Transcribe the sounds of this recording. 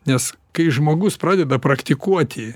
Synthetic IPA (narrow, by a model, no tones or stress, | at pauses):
nʲɛskɐɪʒmoːɡʊspɾɑːdʲɛd̪ɐpɾɐkt̪ʲɪkuɔt̪ʲɪ